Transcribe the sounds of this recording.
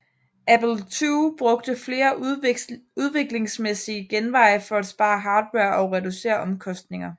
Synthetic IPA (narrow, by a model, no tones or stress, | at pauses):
æpl̩t͡sʰuːb̥ʁɔ̽ɡ̥̚d̥əfle̝ːɐ | uð̞ˠʋe̝ɡ̥le̝ŋsmesiəɡ̥enʋɑ̈ɪ̰fɒ̽æd̥sb̥ɑ̈ːɦɑ̈ːd̥weɐʔɒ̽ʊʁɛd̥use̝̰ːɐʔɒ̽mkʰɒ̽sd̥ne̝ŋɐ